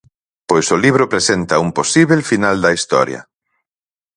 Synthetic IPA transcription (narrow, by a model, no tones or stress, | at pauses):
pojsoliβ̞ɾʊpɾesent̪ɐumposiβelfinald̪ɐist̪ɔ̰ɾjɐ̰